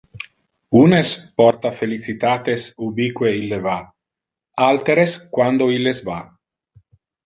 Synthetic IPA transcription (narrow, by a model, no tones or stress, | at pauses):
unespɔrt̪afelit͡sit̪aːt̪esubikweilːeva | alt̪eɾeskwand̪oilːesva